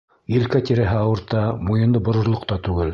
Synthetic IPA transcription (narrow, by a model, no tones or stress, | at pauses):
jɘ̆lkæt̪iɾæɦɘɑwɤ̆ɾt̪ɑmojɤ̆nd̪ɤbŏɾɤ̆ɾlˠŏqt̪ɑt̪ʉɡɘl